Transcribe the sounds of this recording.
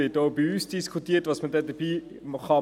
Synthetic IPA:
ɪːtoʊbiyːsd̥iskʰutiətʋɑsmədɛdəɾb̥iː | mχɑ

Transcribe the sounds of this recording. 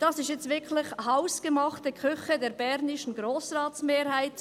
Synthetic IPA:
d̥ɑsɪʃjɛt͡stvɪkʰlɪχhaʊsɡ̥əmɑχtəkʰʏχədɛːɾbɛɾnɪʃən̩ɡɾoːsrɑːtsmeːɾhaɪt

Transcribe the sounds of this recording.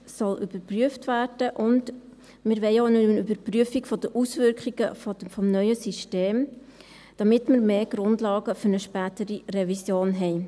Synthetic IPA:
sɔlyb̥əɾpryəftvæːrd̥əʔʊnd | mɪɾʋɛɪoʊnəənybəɾpryəfiɡfɔd̥̪əʔusvʏɾkχiɡ̥əfɔfɔmnœʏəsiʃteːm | d̥ɑmɪtməɾmeːɡ̥ɾʊndlɑːɡəfʏɾnəʃpæːtəɾirɛvisjoːnɦɛɪ

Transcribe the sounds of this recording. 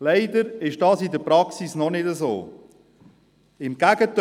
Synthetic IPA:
lɛɪd̪əɾɪʃd̥ɑːsidəpɾɑksisnɔnɪdəzo̰ː | ɪmɡ̥æɡ̥ət

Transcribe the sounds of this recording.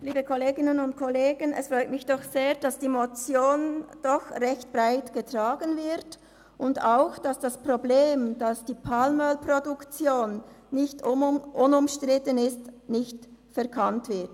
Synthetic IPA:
liːbəkʰɔleːɡɪnənʊnt̚kʰɔleːɡənɛ̰sfʁɔʏtmɪçd̥ɔxseːɐd̥asd̥iːmot͡sjoːnd̥ɔxʁɛçt̚b̥ʁaɪtɡ̥ətʁ̥aːɡənvɪʁt | ʔʊndaʊxd̥asd̥aspʁobleːmd̥asd̥iːpʰalməlpʁodukt͡sjoːnː | ɪçtʔʊnʊmʃtʁɪtənɪstnɪçtfɛɐkʰantv̥ɪɐt

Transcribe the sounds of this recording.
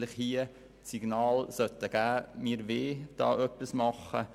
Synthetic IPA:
lɪχhiə | siɡ̥nɑːlsœtəɡ̥æːmiːɾʋeːd̥ɑ̰ːʔœpːismɑχə

